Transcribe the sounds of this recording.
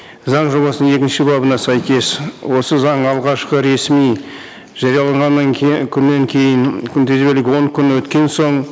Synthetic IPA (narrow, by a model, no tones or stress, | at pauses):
zɑɴʒo̞βɑsənəe̞kʲɪnʃɪbɑbənɑsæjkʲe̞swo̞səzɑɴɑlˠʁɑʃqəɾe̞smij | ʒ̥ɑɾjɑlˠɑɴʁɑnːɑŋkʲʰʏnːe̞ŋkʲʰe̞jɪŋkʲʰʏnt̪ʰezbelɪɡʲwo̞ŋkʲʰʏnwɵt̪kʲe̞nso̞ɴ